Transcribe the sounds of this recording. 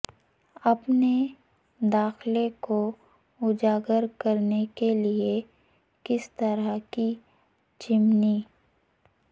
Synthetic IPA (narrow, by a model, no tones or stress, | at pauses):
ɐpne | d̪aːxleko | ʊd͡ʒaːɡəɾkɐɾnekelie | kɪst̪əɾaki | t͡ʃɪmni